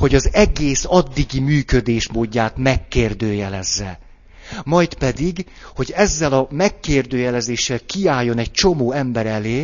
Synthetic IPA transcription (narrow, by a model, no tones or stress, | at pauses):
ho̞ɟɒzɛɡeːsɒd̪ːiɡimyːkø̞d̪eːʃmoːɟːaːt̪mɛkːeːrd̪øːjɛlɛzːɛ̰ | mɒjt̪pɛd̪iɡ | ho̞ɟɛzːɛlɒmɛkːeːrd̪øːjɛlɛzeːʃːɛlkiaːjːo̞nɛɟ̚t͡ʃo̞moːɛmbɛɾɛleː